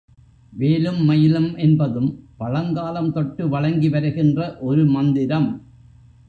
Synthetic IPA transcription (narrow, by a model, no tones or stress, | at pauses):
ʋeːlɯmːɐjɪlɐmʔɛnbɐðɯmpɐɻɐŋɡaːlɐmt̪ɔʈːɯʋɐɻɐŋɡiʋɐɾɐɣɪndrɐʔɔɾɯmɐnd̪ɪɾɐm